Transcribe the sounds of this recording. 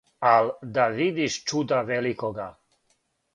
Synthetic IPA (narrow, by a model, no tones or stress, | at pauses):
ald̪avid̪iʃt͡ʃud̪avɛlikɔɡa